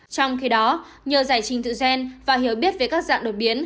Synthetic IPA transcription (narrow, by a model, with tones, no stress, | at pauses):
t͡ɕɔ˧wŋ͡mxi˨˦ɗɔ˨˦ | ɲəː˨˩zaː˧˩jt͡ɕï˨˩ŋ̟t̪ɨ̰˧˨zɛ˧nvaː˨˩hi˧˩əwɓi˦˥ət̚ve˨˩kaː˦˥k̚za̰ː˧˨ŋɗo˨˩t̚ɓi˨˦ən